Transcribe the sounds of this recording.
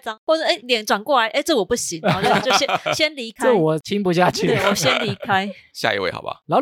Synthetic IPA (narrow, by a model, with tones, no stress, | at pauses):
t͡sɑ˦ŋxwɔ˥˩t͡sə˥˩ʔe˥˦ljɛ˨˩˦nʈ͡ʂwa˨˩nkwɔ˥˩la˧˦ɪʔe˥˦ɪt͡sɤ˥˩˨wɔ˨˩pu˥˩ɕi˨˦ŋ˨˦ɔ˥˧˩t͡ɕo˥˩ʊɕjɛ˦nɕjɛ˦nli˧˥kʰaə˥˩wɔ˨˩t͡ɕʰi˦ŋpu˧˦ɕja˥˧t͡ɕʰy˥t̪e˥˩wɔ˨˩˦ɕjɛ˦nli˧˦˥kʰa˦ɪɕja̰˥˧ḭ˦˧wḛ˥˩ɪxɑ̰˨˩ba̰˨˦lɑ˨˦ʊ